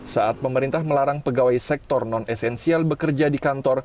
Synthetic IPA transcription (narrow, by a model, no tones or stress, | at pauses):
saʔat̪̚pəməɾint̪ahməlaɾaŋpəɡawajsɛk̚t̪ɔrnɔnɛsɛnsialbəkərd͡ʒadikant̪ɔr